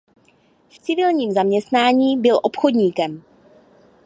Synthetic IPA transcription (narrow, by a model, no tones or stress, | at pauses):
ft͡sɪvɪlɲiːmzamɲɛst̪naːɲiːbɪlʔo̞pxo̞dɲiːkɛm